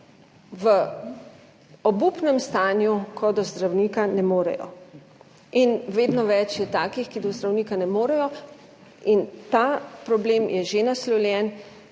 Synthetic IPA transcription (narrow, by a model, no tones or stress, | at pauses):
ʋə | ɔbupnɛmst̪aːnjukʰɔd̪ɔzd̪ɾawniːkanɛmoːɾɛ̰jɔ̰ | inʋeːd̪nɔʋɛt͡ʃjɛt̪aːkixkid̪ɔzd̪ɾawniːkanɛmoːɾɛjɔ | int̪apɾɔbleːmjɛʒenaslɔljɛn